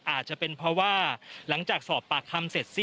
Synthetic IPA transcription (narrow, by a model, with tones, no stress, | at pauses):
ʔaː˨˩t̪̚t͡ɕa˨˩pe˧npʰɾɔ˦˥waː˥˩la˩˦ŋt͡ɕaː˨˩k̚sɔː˨˩pːaː˨˩kʰːa˧mse˨˩t̪̚si˥